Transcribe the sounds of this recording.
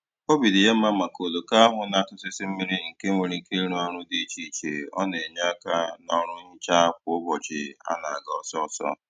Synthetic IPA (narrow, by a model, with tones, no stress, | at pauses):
o˦bi˨dɪ˨je˦m̩˦ma˦ma˨ko˨lo˨ka˦a˦ɦʊ˨na˦˨tʊ˦sɪ˦sɪ˦m̩˦mi˦ɾi˦ŋ̩˨ke˦ŋʷe˨ɾi˦ŋ̩˦ke˦i˦ɾu˦a˦ɾʊ˦di˦˨t͡ʃi˨t͡ʃḛ˨ɔ̰˦ne˨ɲ˦a˦ka˦nɔ˦ɾʊ˦ɲi˦t͡ʃa˦a˦kʷʊ˨ʊ˦bɔ˨t͡ʃɪ̰˨a̰˦na˨a˨ɡɔ˨sɔ˦ɔ˨sɔ̰˦